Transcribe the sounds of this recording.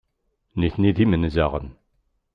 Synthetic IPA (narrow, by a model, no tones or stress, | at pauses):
niθniðimənzæʁə̰n